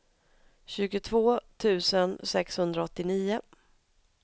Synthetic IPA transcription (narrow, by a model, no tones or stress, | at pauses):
ɕʉ̟ːɡʊt̪ʰvoːt̪ʰʉ̟ːsənsɛkshɵnd̪ɾaɔt̪ːɪniːʊ